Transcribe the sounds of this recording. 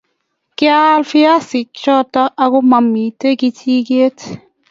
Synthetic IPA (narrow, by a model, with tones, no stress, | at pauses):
kɪ˦a˦lfɪ˦a˦sɪ˨kt͡ʃɔ˦ta˦ʔa˦kʊ˦ma˨mi˨te˦ki˦tʰi˦ke˦t